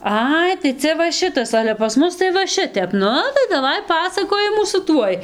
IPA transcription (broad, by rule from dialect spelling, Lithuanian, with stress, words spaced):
ˈɐɪ tɐɪ ˈt͡sʲɛ ʋɐ ˈʃʲɪtɐs ˈɑːlʲɛ pɐs ˈmʊs tɐɪ ʋɐ ˈʃʲɪtʲɛp ˈnʊ tɐɪ dɐˈʋɐɪ ˈpɑːsɐkoːjɪmuː sʊ ˈtuɔj